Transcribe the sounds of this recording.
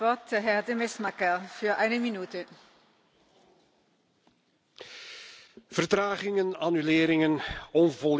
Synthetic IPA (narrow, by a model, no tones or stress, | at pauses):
ɔt̚dəɦɛʁdemɛsmakəfyːɐʔaɪnəminyːtə | v̥ərtraːɣɪŋənanyleːɾɪŋənɔnvɔl